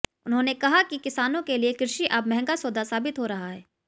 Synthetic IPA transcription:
ʊnɦõnekɐɦakikɪsaːnõkeliekɪɾɪʃiʔɐbmɛɦɛ̃ŋɡasoːd̪asaːbɪt̪ɦoɾɐɦaɦɛː

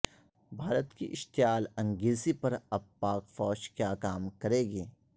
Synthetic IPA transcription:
bʱaːɾət̪kiʔɪʃt̪ɪjaːlɐ̃ŋɡɪlsipɐɾɐb̚paːkfɔːʃkjaːkaːmkɐɾeːɡeː

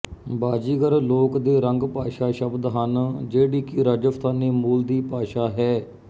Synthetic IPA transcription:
baːd͡ʒiːɡəɾloːkd̪eːɾəŋɡpaːʃaːʃəbd̪ɦənd͡ʒeːɽiːkɪɾaːd͡ʒəst̪ʰaːneːmuːld̪iːpaːʃaːɦɛː

